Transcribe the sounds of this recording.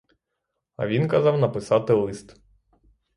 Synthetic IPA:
ɐ̰ʋʲinkɐzɑwnɐpɪsɑt̪ɪlˠɪst̪

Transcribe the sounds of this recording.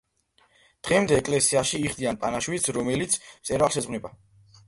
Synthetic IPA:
d̪̥ʁɛmd̪ɛːkʼlɛsiaʃiːχd̪ianpʼanaʃwit̪sɾɔmɛlit̪sʰmt̪sʼɛɾalʃɛzʁnɛba

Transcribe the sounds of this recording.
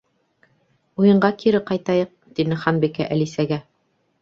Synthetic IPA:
ujɤ̆ɴɢɑkiɾɘqɑjt̪ɑjɤq̚t̪inɘχɑnbikæʔælisæɡæ

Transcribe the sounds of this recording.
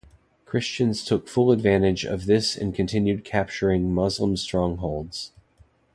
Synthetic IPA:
kʰɹ̥ɪst͡ʃɨ̃nz̥tʰʊkfʊlˠədvæ̃ɾ̃ɨd͡ʒʌ̰vðɪsɨ̰̃nkʰɨ̃ntʰɪ̃njʉd̚kʰæp̚t͡ʃə˞ɪ̃ŋmʌzlə̃mstɹ̥ɔ̃ŋɦoʊlˠdz̥

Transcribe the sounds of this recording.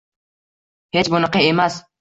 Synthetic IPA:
het͡ʃbʊnɨqɑemas

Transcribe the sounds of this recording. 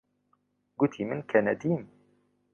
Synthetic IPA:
ɡʊt̪ʰimɨnkʰɛnɛd̪iːm

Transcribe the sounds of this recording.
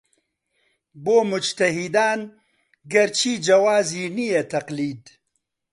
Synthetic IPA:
boːmʊd͡ʒt̪ɐɦid̪aːn | ɡɐɾt͡ʃʰiːd͡ʒɐwaːziːnijet̪ɐqliːd̪

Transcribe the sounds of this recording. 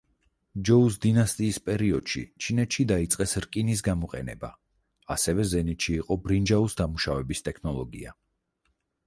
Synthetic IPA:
d͡ʒɔus̬d̪inast̪ʼiːspʼɛɾiɔd̪̥ʃḭt͡ʃʰinɛt̪ʃid̪ait̪sʼqʼɛsɾkʼinis̬ɡamɔqʼɛ̰nɛ̰ba̰ | asɛvɛzɛnit̪ʃiːqʼɔbɾind͡ʒausd̪amuʃavɛbist̪ʼɛkʰnɔlˠɔɡḭa

